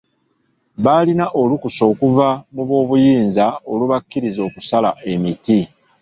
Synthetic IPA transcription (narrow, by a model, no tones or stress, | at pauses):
βaːlinaʔo̞lukuso̞ːkuvamuβwo̞ːβujiːnzao̞luβakːiɾizo̞ːkusala̰e̞miti